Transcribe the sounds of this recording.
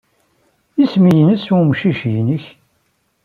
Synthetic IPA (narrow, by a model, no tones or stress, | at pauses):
ismijnəsumʃiʃjnəç